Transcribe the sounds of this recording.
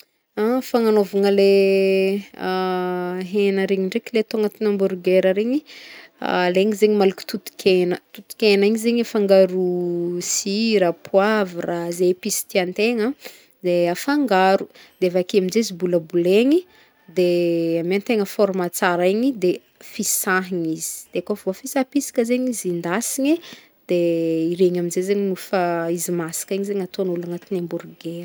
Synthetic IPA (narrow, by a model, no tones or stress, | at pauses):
afaŋanovuŋəle | ɦenəɾeɲiɳɖ͡ʐekilet̪oŋət̪inambuɾɡeɾəɾeɲḭ | leŋizeɲimaluki̥t̪ut̪i̥kʲʰenət̪ut̪i̥kenaiɲizeɲefaŋɡaɾusiɾapʰwavirazepisi̥t̪iant̪eŋə | d̪eafaŋɡaɾud̪̥eavakeaminzeizibuləbuleɲi | d̪eamant̪eŋəfɔɾmat͡saɾeɲid̪e | fisaɦiɲiz̥i̥d̪̥eakoavofisapisi̥kəzeɲizind̪asiɲi | d̪̥eiɾeɲaminzezeɲinufaizimasi̥kiɲizeɲat̪onulanət̪inemburɡeɾ